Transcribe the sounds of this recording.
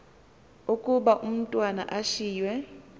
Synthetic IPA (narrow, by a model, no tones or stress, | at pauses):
ukʼuɓaʔum̩tʼwana̰ʔaʃiːjwɛ